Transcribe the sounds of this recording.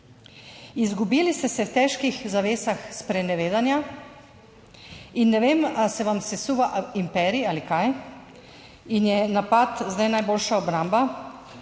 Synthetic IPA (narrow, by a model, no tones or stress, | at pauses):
izɡubiːlist̪ɛsɛwt̪ɛːʃkixzaʋeːsaxspɾɛnɛʋeːd̪anja | inːɛʋeːmasɛʋamsɛsuːʋaʔimpɛːɾiialikaj | injɛnapat̪zd̪ajnajboːlʃaɔbɾamba